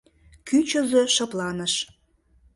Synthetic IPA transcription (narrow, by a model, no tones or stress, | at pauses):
kyt͡ɕəzoʃə̆plɑnəʃ